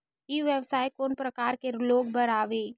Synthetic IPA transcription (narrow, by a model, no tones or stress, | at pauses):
kiʋjəʋsaːjkoːnpɾɐkaːɾkeloːɡ̚bəɾaːʋeː